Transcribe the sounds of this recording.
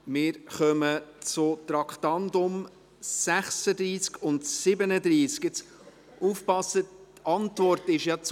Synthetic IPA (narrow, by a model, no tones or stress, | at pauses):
mɪːɾχœmət͡sʊt̪ɾɑkʰt̪ɑndʊm | sæχsəd̪ɾiːskʊntsɪbənəd̪ɾiːskjɪt͡s | ufpɑsətɑntvɔrtɪʃjɑt͡s